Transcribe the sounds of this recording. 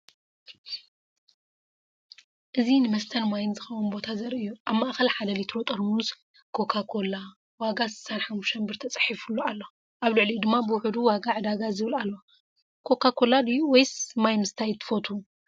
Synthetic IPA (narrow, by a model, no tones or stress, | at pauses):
ʔɨzinɨmɐst̪ʰɐnmajnzɨxɐwunbo̞t̪ʰazɐɾʔɨjːuʔaβmaʔxɐlħalɐlit̪ʰɾot̪ʼɐɾmuz | kʰo̞kʰakʰo̞la | waɡasɨ̥sanħamːuʃt̪ʰɐnbɨɾt̪ʰɐt͡sʼɨ̥ħifulːoalːo | ʔaβlɨʕlid̪ɨmːabɨwʊħud̪uwaɡaʕɨd̪aɡazɨβɨlalːo | kʰo̞kʰakʰo̞lad̪ɨjuwɔjsmajmɨst̪ʰajt̪ʰːɨ̥fot̪ʰu